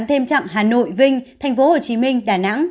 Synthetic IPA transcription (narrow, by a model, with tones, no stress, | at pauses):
mt̪ʰe˧mt͡ɕa̰˧˨ŋɦaː˨˩no̰˧˨jvï˧ŋ̟t̪ʰa˨˩jŋ̟fo˨˦ho˨˩t͡ɕi˨˦mï˧ŋ̟ɗaː˨˩na̰˧˥ŋ